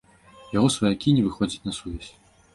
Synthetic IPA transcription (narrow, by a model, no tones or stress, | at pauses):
jaɣɔsvɐjakʲinʲɛvɨxɔd͡zʲit͡sʲnɐsuvʲɛsʲ